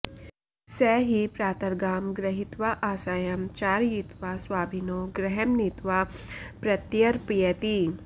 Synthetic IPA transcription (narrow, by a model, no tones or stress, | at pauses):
sɛɦipɾaːt̪ɐɾɡaːmɡɾɐɦit̪ʋaʔaːsaːjɐmt͡ʃaːɾjit̪ʋaswaːbʱinoːɡɾɛɦɛmnit̪ʋapɾɐt̪jɐɾpijɐt̪i